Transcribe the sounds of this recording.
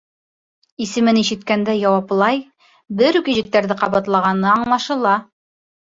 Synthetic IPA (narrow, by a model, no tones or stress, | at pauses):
isɘ̆mɘniʃɘ̆t̪kænd̪æjɑwɑplˠɑj | bɘɾʉkiʑɘ̆k̚t̪æɾðɘqɑβɑt̪lˠɑʁɑnɤɑɴlˠɑʃɤ̆lˠɑ